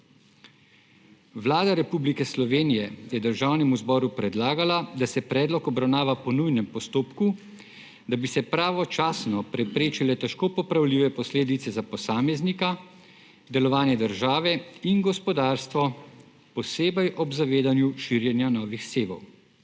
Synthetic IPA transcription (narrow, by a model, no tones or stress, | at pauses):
ʋlaːd̪aɾɛpublikɛslɔʋeːnijɛjɛd̪əɾʒaːwnɛmuzbɔːɾupɾɛd̪laːɡalad̪asɛpɾɛːd̪lɔkɔbɾawnaːʋapɔnujnɛmpɔst̪oːpku | d̪abisɛpɾaːʋɔt͡ʃaːsnɔpɾɛpɾeːt͡ʃilɛt̪ɛʃkoːpɔpɾawliːʋɛpɔsleːd̪it̪sɛzapɔsaːmɛznika | d̪ɛlɔʋaːnjɛd̪əɾʒaːʋɛinɡɔspɔd̪aːɾst̪ʋɔ | pɔseːbɛjʔɔbzaʋeːd̪anjuʃiːɾjɛnjanɔːʋixseːbɔ̰w